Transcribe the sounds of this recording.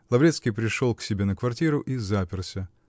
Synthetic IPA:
lˠɐvɾʲet̪skʲijpɾʲɪʂolˠksʲɪbʲenəkvɐrtʲiɾʊʔizapʲɪrˠsʲə

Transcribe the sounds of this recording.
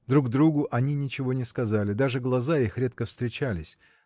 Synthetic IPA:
d̪ɾuɡd̪ɾuɡʊʔɐnʲinʲɪt͡ɕɪvo̞nʲɪskɐzalʲɪd̪aʐɨɡlˠɐzaixɾʲet̪̚kəfst̪ɾʲɪt͡ɕalʲɪsʲ

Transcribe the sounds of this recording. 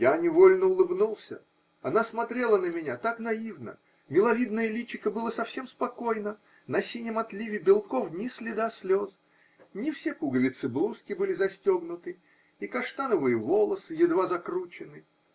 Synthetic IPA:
janʲɪvolʲnəʊlˠɨbnulˠsʲə | ɐnasmɐt̪ɾʲe̞lˠənəmʲɪnʲat̪aknɐivnə̰ | mʲɪlˠɐvʲid̪̚nəjəlʲit͡ɕːɪkəbɨlˠəsɐfsʲe̞mspɐko̞jnə | nɐsʲinʲjəmɐt̪lʲivʲɪbʲɪlˠko̞fnʲɪsʲlʲɪd̪asʲlʲo̞s | nʲɪfsʲe̞puɡəlʲɪt̪sɨblˠuskʲɪbɨlʲɪzɐsʲtʲo̞ɡnʊt̪ɨ | ikɐʂt̪anəvɨjəvo̞lˠəsɨjɪd̪vazɐkɾut͡ɕɪnɨ

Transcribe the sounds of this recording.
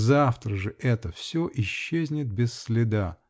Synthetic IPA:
zaft̪ɾəʐɨʔɛt̪əfsʲoʔɪɕːezʲnʲɪt̪̚bʲɪsːʲlʲɪd̪a

